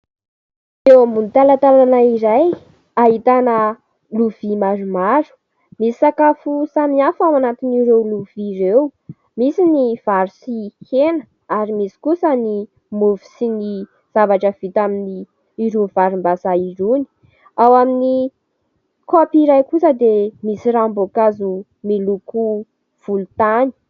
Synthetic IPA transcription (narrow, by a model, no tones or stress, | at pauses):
ewmunt̪alat̪alanaiɾaj | aɦit̪anə | luv̥imaɾumaɾu̥ | misi̥sakafusaniafamanat̪iniɾewluviɾew | misiniv̥aɾusihenə | aɾimisi̥kusəni | muvi̥sini | z̥avaʈ͡ʂəv̥it̪aminiː | ɾuvaɾumbasaiɾuni̥ | awamini | kopiɾajkusəd̪emisiɾambokazu | miluku | v̥ulut̪ani̥